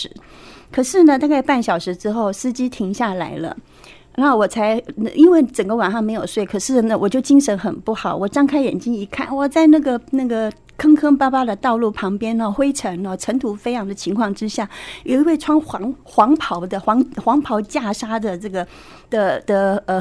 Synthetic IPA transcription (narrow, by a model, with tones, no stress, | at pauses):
ɻ̩˧˥ | kʰɤ˨˩ʂɻ̩˥˩nə˩t̪a˥˧ka˥˧ɪpa˥˩nɕjɑ˨˩ʊʂɻ̩˧˥ʈ͡ʂɻ̩˥xo˥˩ʊsɹ̩˥t͡ɕi˥t̪ʰi˧˥ŋɕja˥˩la̰˧˥ɪlə̰˧ | a˧˥xo˥˩wɔ˨˩t͡sʰa˧˥ɪ˧ʔi˥nwe˥˩ɪʈ͡ʂə˨˩ŋɡə˦wa˨˩nʂɑ˥˩ŋme˧˥jo˨˩ʊswe˥˩ɪkʰɤ˨˩ʂɻ̩˥˩nə˨˩wɔ˨˩t͡ɕjo˥˩ʊt͡ɕi˥ŋʂə˧˥nxə˨˩npu˥˩xɑ˨˩˦ʊwɔ˨˩ʈ͡ʂɑ˥ŋkʰa˥ɪjɛ̰˨˩nt͡ɕi˥ŋi˧˥kʰa˥˩nwɔ˨˩t͡sa˥˧ɪna˥˩ɡə˩na˥˩ɡə˩ | kʰɤ˥ŋkʰɤ˥ŋpa˥pa˥d̪ə˨t̪ɑ˥˧ʊlu˥˩pʰɑ˧˥ŋpjɛ˥nə˧xwe˥ɪʈ͡ʂʰə˧˥ŋə˧ʈ͡ʂʰə˧˥ŋt̪ʰu˧˥fe˥ɪjɑ˧˥ŋd̪ə˧t͡ɕʰi˧˥ŋkʰwɑ˥˩ŋʈ͡ʂɻ̩˥ɕja˥˩jo˨˧˩i˧˥we˥˩ɪʈ͡ʂʰwɑ˥ŋxɑ˧˥ŋxwɑ˧˥ŋpʰɑ˧˥ʊd̪ə˧xwɑ˧˥ŋxwɑ˧˥ŋpʰɑ˧˥ʊt͡ɕja˥˩ʂa˥d̪ə˨ʈ͡ʂɤ˥˩ɡə˩ | d̪̥ə˨d̪̥ə˧ə˧˩